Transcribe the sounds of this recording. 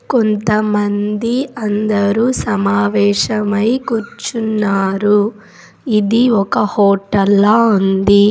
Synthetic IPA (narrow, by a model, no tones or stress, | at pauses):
kont̪ɐmɐnd̪iɐnd̪ɐɾuːsɐmaːʋɛːʂɐmɐjkuɾt͡ʃunːaːɾu | id̪iɔkɐhɔːʈːɐlːɐund̪i